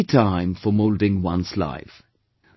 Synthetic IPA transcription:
tʰãɪ̃ɱfəmoʊlˠdɪ̃ŋwʌ̃nsla̰ɪf

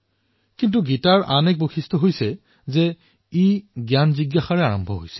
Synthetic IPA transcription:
kint̬uɡitaɹʔanɛk̚boxʰistʰɔɦojsɛ | zɛ | iɡjanziɡjaxaɹɛaɹɔmbʱɔɦojsɛ̥

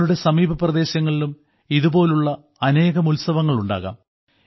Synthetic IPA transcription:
ɽuɽe̞sɐmiːbɐprɐðe̞ːɕɐŋːɐɭilum | iðubo̞ːluɭːɐ | ɐne̞ːɣɐmulsɐʋɐŋːɐɭuɳɖa̰ːɣa̰ːm

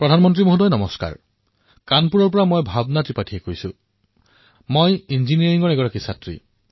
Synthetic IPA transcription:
pɹɔdʱanmɔntɹimoɦudɔjnɔmɔska̰ɹ | kanpuɹɔɹp̬ɔɹamojbʱabnatipatʰiekojsu | mojinziniaɹiŋɔɹeɡɔɹakisatɹḭ

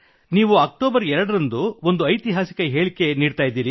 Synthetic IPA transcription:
niːʋuɐk̚ʈoːbɐɾɛɾɐɽɐɾɐnd̪uo̞nd̪uɐjt̪iɦaːsi̥kɐɦe̞ːɭike̞niːɖt̪aːjid̪ːiːɾi

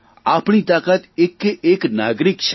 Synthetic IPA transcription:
aːpɳ̃it̪aːkət̪ɪkeːknaːɡɾɪkʃʰ

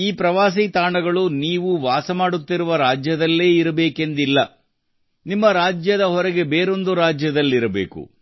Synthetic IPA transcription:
iːpɾɐʋaːs̬it̪aːɳɐɡɐɭuniːʋuʋaːsɐmaːɽut̪ːiɾuʋɐɾaːd͡ʒjɐd̪ɐlːe̞ːiɾɐbeːke̞nd̪ilːɐ | nimːɐɾaːd͡ʒjɐd̪ɐɦɔɾɛɡe̞beːɾo̞nd̪uɾaːd͡ʒjɐd̪ɐlːiɾɐbḛːkṵ

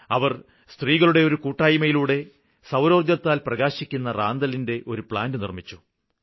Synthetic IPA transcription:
ɐʋɐr | st̪riːɣɐɭuɽe̞o̞ɾukuːʈːaːjimɐjiluːɽe̞ | sɐwɾo̞ːrd̪jɐt̪ːaːlprɐɣaːɕikʲːunːɐraːnd̪ɐlinde̞ʔo̞ɾupɭaːndɨnḭrmit͡ɕːu

